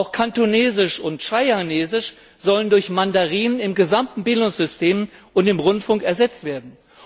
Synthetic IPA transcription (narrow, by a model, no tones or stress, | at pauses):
aʊxkʰantuneːzɪʃʊntʃaɪaneːzɪʃ | z̥ɔləndʊɐçmandaʁiːənɪmɡəzamtn̩bɪldʊŋsz̥ʏstʰeːmʔʊntɪmʁʊntfʊŋkɛɐzɛt͡stv̥eːɐdn̩